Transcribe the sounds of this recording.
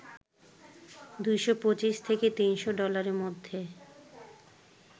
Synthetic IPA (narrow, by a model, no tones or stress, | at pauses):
d̪ujʃopot͡ɕiʃt̪ʰeket̪inʃoɖɔlaɾeɾmod̪ʱːe